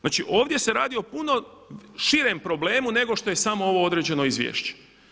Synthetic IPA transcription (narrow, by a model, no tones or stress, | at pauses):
znaːt͡ʃiʔo̞ːʋd̪je̞se̞ɾaːd̪iopuno̞ʃiɾempɾo̞ble̞ːmune̞ɡo̞ʃt̪o̞je̞samo̞o̞ʋo̞od̪ɾed͡ʑe̞no̞izʋjḛːʃt͡ɕe̥